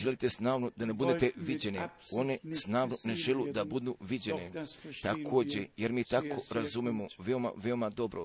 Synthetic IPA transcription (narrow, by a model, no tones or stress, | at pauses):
ʒelit̪e̞snaːʋnod̪anebud̪et̪eʋid͡ʑeneo̞ne̞snaːʋnone̞ʒelud̪abud̪uʋid͡ʑenet̪akʰo̞ːd͡ʑe̞jeɾmiːt̪ako̞ɾazumemoʋe̞o̞ma̰ʋe̞omad̪o̞bɾo̰